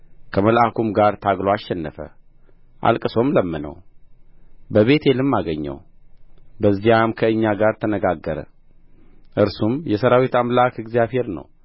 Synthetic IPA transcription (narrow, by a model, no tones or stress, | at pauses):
kʰəməlʔakʰumɡaɾt̪ʰaɡloaʃːɛnːəfə̰ | ʔa̰lkʼɨso̞mləmːɨnə̰w | bəβe̞t̪ʰelɨmːaɡəɲːə̰w | bəzːijamkʰəɨɲːaɡaɾt̪ʰənəɡaɡːəɾə̰ | ʔɨɾsumjɛsəɾawit̪amlakɨɡzijaβhe̞ɾnə̰w